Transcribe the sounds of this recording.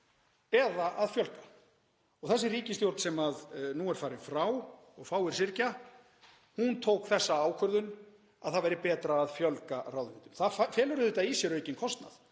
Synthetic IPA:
ɛðaʔaðfjœlkḁ | ɔɣθɛsːɪriːcɪst̪jowɾt̪sɛmaðnuɛɾ̥faːɾɪfɾaːw | ɔɣfaːwɪɾ̥sɪɾca | hunt̪ʰoːwkθɛsːaaːwkʰœɾðʏn | aðθaðvɛɾɪpɛːt̪ɾaːðfjœlkaɾrawðɪvɪnt̪ʏ̥mθafɛːlʏɾʏðɪt̪aisjɛɾœɥjcɪnkʰɔst̪na̰ð

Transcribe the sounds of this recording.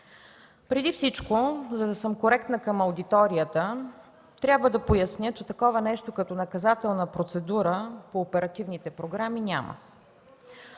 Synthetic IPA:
pɾɛd̪ifsit͡ʃkozɐd̪ɐsəmkoɾɛkt̪nəkəmɐwd̪it̪ɔɾiət̪ə | t̪ɾʲjabvəd̪ɐpojɐsnʲjət͡ʃɛt̪ɐkɔvənɛʃt̪okɐt̪ɔnɐkɐzat̪ɛlˠnəpɾot̪sɛd̪uɾəpoːpɛɾɐt̪ivnit̪ɛpɾoɡɾaminʲa̰mə̰

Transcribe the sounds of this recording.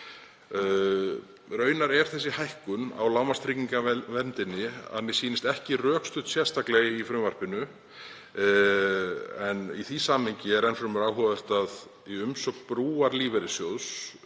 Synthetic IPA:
ɾœːɥnaɾɛɾ̥θɛs̬ːɪhajhkʏna̰wlaːwmast̪ʰɾɪciŋkavɛnt̪ɪnːɪa̰ðmɪsiːnɪst̪ɛhcɪrœːkst̪ʏt̪sjɛ̥st̪aklɛɣɪifɾʏmvar̥pɪnʏ | ɛnḭθisamhɪɲcɪɛɾɛnfɾʏmʏɾaːwɦɔðʏr̥t̪að | iʏmsœkpɾuːaɾliːvɛɾɪsjowðs

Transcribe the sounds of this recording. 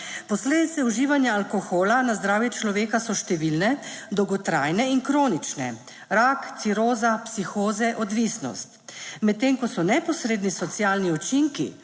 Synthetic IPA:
pɔsleːd̪it̪sɛuʒiːʋanjaːlkɔxoːlanazd̪ɾaːwjɛt͡ʃlɔʋeːkasɔʃt̪ɛʋilnɛd̪ɔwɡɔt̪ɾajnɛinkɾoːnit͡ʃnɛ̰ | ɾakt̪siɾoːzapsixoːzɛʔɔd̪ʋisnɔ̰st̪mɛt̪t̪ːeŋkɔsɔnɛpɔsɾeːd̪nisɔt̪sjaːlniɔt͡ʃiŋkḭ

